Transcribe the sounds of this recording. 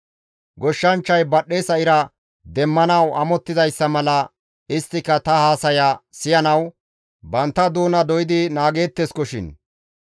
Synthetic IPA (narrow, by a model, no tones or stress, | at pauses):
ɡɔʃːɐnt͡ʃːɐjbɐɗːesɐɪɾɐ | d̪ɛmːɐnɐwɐmɔt̪ːɪzɐjsːɐmɐlɐ | ɪst̪ːɪkːɐt̪ɐhaːsɐjɐsɪjɐnɐw | bɐnt̪ːɐd̪uːnɐd̪ɔjɪd̪ɪnaːɡe̞ːt̪ːeskɔʃɪ̰n